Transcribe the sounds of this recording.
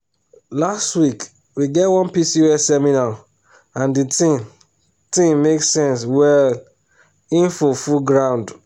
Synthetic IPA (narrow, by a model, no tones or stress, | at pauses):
lastwik | wiɡɛtwɔ̃npisiwɛsɛmina | ãnditĩm | tĩmːeksɛ̃ns̬wɛl | ĩnfufuɡɹãʊ̃nd